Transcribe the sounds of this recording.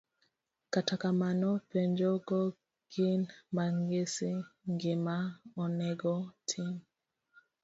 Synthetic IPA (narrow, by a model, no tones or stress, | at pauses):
katakamanɔpɛɲd͡ʒɔɡɔ | ɡinmaŋɡesiŋɡemaɔnɛɡɔtʰim